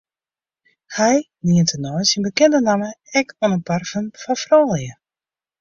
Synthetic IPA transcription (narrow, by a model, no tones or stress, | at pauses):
hɛj | niəntʰənɔjsinbəkɛndənaməɛkɔnənparfənfafrɔːlˠjə